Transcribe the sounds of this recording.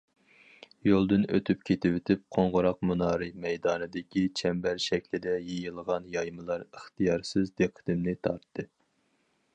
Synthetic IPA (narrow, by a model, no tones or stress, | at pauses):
jolˠd̪ɨnø̰t̪ʰypkʲʰet̪ɪwɪt̪ʰɪp̚qʰoɴʁʊɾɑq̚munɑːɾɨmɛjd̪ɑːnɨd̪ɪkʲʰit͡ʃʰɛmbæɾʃɛkʲlɪd̪ɛjejilˠʁɑnjɑjmɨlˠɑɾəχt̪ijɑɾsɨzd̪eqʰːə̥t̪ɪmnɪt̪ʰɑɾt̪ʰːɨ